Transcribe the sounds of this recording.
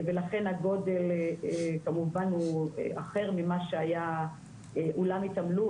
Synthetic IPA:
velaχe̞naɡo̞de̞lekamuvanuḛaχe̞ʁmimaʃeaja | ʔulamit̪amlu

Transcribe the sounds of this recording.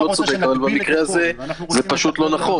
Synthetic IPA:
ot͡sod̪e̞kavalbamikʁeazezepaʃut̪lo̞naχo̞

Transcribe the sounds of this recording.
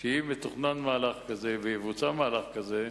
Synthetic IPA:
ʃeimet̪uχnanmaːlaχkazeveivut͡samaːlaχkaze

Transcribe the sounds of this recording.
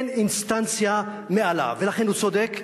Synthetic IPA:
ninst̪ant͡sja | mɛʔala̰vɛlaxɛnut͡sɔd̪ɛk

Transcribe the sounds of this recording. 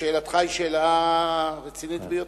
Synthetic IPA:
eːlat̪χajʃela | ʁet͡sinit̪bejo

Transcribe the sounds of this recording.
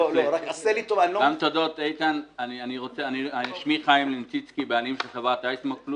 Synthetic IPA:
oloɾakaselit̪ovaniloɡamt̪od̪o̞t̪ejt̪ananianiʁo̞t͡seaniaiʃmiχajimlent͡sit͡skibealimʃeχavat̪ajsmoklu

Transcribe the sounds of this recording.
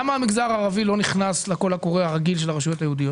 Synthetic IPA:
amaːmiɡzaʁaːʁavilo̞niχnasleko̞lhako̞ʁeaʁaɡilʃ̬e̞laʁeʃujo̞t̪ajehud̪ijot

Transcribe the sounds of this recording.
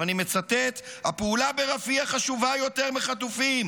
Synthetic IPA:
anime̞t͡sat̪e̞t̪apeulabe̞ʁafiaχaʃuvajo̞t̪e̞ʁmeχat̪ufim

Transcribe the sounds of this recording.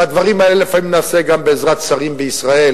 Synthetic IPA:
ad̪vaʁimaelelefamimnaːse̞ɡambeːzʁat̪saʁimbeisʁae̞l

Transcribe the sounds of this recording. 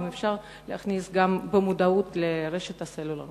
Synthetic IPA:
mefʃaʁ | leaχnisɡambemud̪aut̪leʁeʃet̪haselula̰

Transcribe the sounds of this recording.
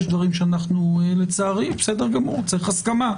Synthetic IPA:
ʃd̪vaʁimʃeanaχnulet͡saːʁimbesed̪eʁɡamuʁt͡siχaskama

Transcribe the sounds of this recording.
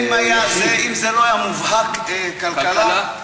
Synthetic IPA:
majazeʔimzeloajamuvhakekalala

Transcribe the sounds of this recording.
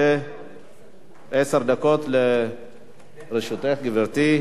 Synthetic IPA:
e | ʔeseɾd̪akot̪le | ɾeʃut̪eχɡiveʁt̪i

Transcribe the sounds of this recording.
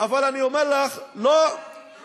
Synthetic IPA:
avalaniomeʁlaχlo

